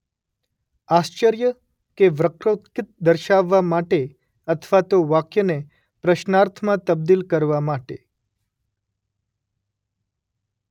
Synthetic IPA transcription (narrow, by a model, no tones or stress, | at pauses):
ast͡ʃəɾjə | keʋɾəkɾot̪kɪt̪̚d̪əɾʃaʋːamaʈe | ət̪ʰʋat̪oʋakjəne | pɾəʃnaɾt̪ʰmãt̪əb̚d̪ilkəɾʋamaʈe